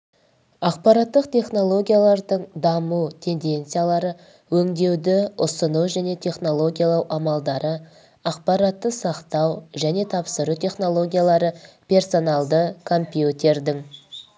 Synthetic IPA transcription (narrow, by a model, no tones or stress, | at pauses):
ɑqpɑɾɑt̪ːəqt̪ʲʰe̞χno̞lˠo̞ɡʲijalˠɑɾd̪əɴd̪ɑmut̪ʰe̞nd̪e̞nt̪sɨjalˠɑɾə | wɵŋd̪e̞wd̪ɪʊsənuwʒæne̞t̪ʰʲe̞χno̞lˠo̞ɡʲijalˠɑwʔɑmɑlˠd̪ɑɾə | ɑqpɑɾɑt̪ːəsɑqt̪ɑwʒæne̞t̪ʰɑpsəɾut̪ʰʲe̞χno̞lˠo̞ɡʲijalˠɑɾə | pʲʰe̞ɾso̞nɑlˠd̪əkʰo̞mpʲjut̪ʲe̞ɾd̪ɪŋ